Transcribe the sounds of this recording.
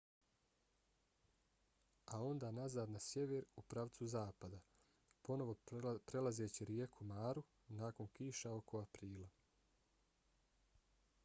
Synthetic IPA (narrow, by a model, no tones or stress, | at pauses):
ao̞nd̪aːnazaːd̪nasje̞ʋeɾupɾaʋt̪suzaːpad̪a | po̞no̞ʋo̞pɾe̞lazeːt͡ɕiɾje̞kʰumaːɾu | naːko̞nkiːʃao̞ko̞apɾiːla